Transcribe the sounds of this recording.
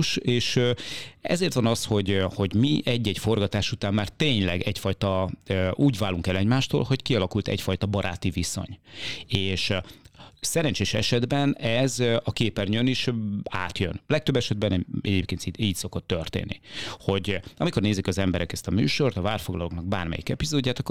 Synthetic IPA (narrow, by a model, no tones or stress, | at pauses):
ʃeːʃøɛ̰zeːrt̪ʋɒnɒsho̞ɟho̞ɟmiʔɛɟːɛɟfo̞rɡɒt̪aːʃut̪aːmːaːrt̪eːɲlɛ̰ɡɛcfɒjt̪ɒøʔuːɟvaːlːuŋkɛlɛɟmaːʃt̪o̰ːlho̞ckiɒlɒkult̪ɛ̰cfɒjt̪ɒbɒɾʔa̰ːt̪iviso̰ɲeːʃ | sɛɾɛnt͡ʃeːʃɛ̰ʃɛd̪bɛnɛzɒkeːpɛrɲøniʃaːt̪jø̰nlɛk̚t̪øbːɛʃɛd̪bɛnɛɛɟeːp̚keːnt̪iiːcso̞ko̞t̪ːørt̪ḛːnːḭho̞ɟɒmiko̞rneːzikɒzɛmbɛɾʔɛkɛst̪ɒmy̰ːʃo̞rt̪ɒvaːrfoɡlɒlo̞knɒɡ̚ba̰ːrmɛ̰jḭkɛpizoːdːaːt̪ɒkː